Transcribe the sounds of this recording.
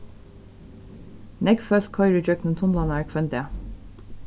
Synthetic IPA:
nɛɡfœlt̪kʰɔʏɹəd͡ʒœknənt̪ʰɔnlɑnæɹkʰfœnd̪ə

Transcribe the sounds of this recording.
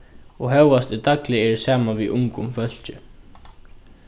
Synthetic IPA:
ɔɣɦœwast̪ɪt̪aklɪɛɾsaːmaviʔuŋkʏmfœl̥t͡ɕʏ

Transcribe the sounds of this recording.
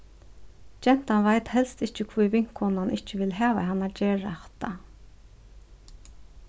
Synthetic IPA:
t͡ʃɛn̥t̪anvajt̪hɛlst̪ɪht͡ʃɪkʰvujvɪŋ̥kʰhɔnanʔɪht͡ʃɪʋɪlɦæːʋa̰ɦanːad͡ʒeːɹaht̪a

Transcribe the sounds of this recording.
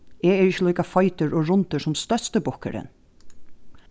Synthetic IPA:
ɛɛɹɪçəlɔːjkafɑjt̪əɹɔːɹʊnt̪əsʊmst̪œst̪əbʊhkə̰ɾə̰n

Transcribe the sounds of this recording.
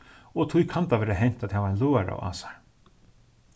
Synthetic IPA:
ɔt̪ʰʊjkʰant̪avɛːɾaɦɛjɲ̥t̪at̪havaajnloːaɾa̰wa̰ːsḁɹ

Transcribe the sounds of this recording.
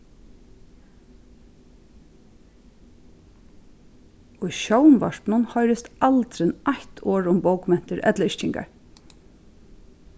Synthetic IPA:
ʊjʃɔwmʋa̰ʂt̪nʊnhɔjɾɪst̪alt̪ɾɪnʔaçt̪ʰoːɹʊmbowkmɛn̥t̪ɪɾʔɛ̰t̪laɪʃt͡ʃɪŋka̰ɹ

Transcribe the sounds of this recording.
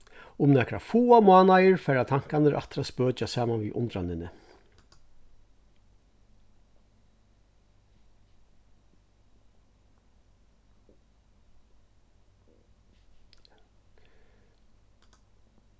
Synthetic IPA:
ʊmnɛkɾa̰fuːamʊaːnajəɹfɛːɹat̪ʰaŋ̥kanɪɾʔa̰t̪ɪɾaspœːt͡ʃasaːmanʋḭʔʊ̰nt̪ɾanɪnɪ

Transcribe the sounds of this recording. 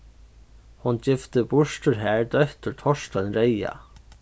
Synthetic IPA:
hʊnt͡ɕɪft̪əbʊʂt̪ʊɹɦæːɹd̪œht̪ʊɹt̪ʰɔʂt̪anɾeja̰

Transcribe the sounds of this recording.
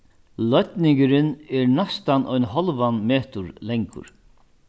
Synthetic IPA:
lœt̪nɪŋkɪɾɪnɛɾnast̪anʔɔjnɦɔlvanmeːt̪ʊɾlɛŋkʊ̰ɾ

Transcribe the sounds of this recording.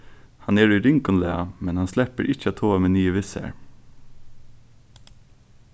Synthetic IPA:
hɑnɛːɹʉɾʏŋkʊnlḛːɑmɛnhɑnslɛpəɾʔɪc͡çəɑːt̪ʰoːɑmeːnyːəʋɪsə̰ɹ

